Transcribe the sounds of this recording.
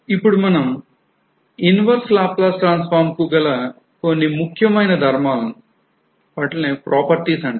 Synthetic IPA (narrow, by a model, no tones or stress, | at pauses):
ipːuɽumɐnɐm | inʋɐɾslaːplɐːsʈɾaːnsfaːɾmkuːɡɐlɐ | konːimukʰjɐmɐjnɐd̪ʱɐɾmaːl | ʋaːʈlneːpɾʔɔːpɐɾʈiːsɐɳɖ